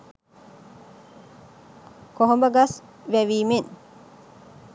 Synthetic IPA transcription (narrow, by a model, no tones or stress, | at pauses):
koɦombɐɡas | ʋæʋiːmin